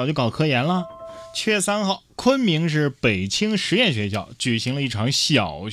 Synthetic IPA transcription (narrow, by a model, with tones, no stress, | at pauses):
t͡ɕjo˥˩kɑ˨˩kʰɤ˥jɛ˧˥nlə˧t͡ɕʰɥɛ˥˩sa˥nxɑ˥˩ʊkʰwə˥nmi˧˥ŋʂ̬ɻ̩˥˩pe˨˩ɪt͡ɕʰi˥ŋʂɻ̩˧˥jɛ˥˩nɕɥɛ˧˥ɕjɑ˥˩ʊt͡ɕy˨˩ɕi˧˥ŋlə˧i˥˩ʈ͡ʂʰɑ˧˥ŋɕjɑ˨˩ʊ